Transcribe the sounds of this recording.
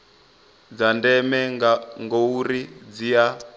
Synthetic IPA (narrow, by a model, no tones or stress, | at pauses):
d͡zandɛmɛŋɡouɾid͡zija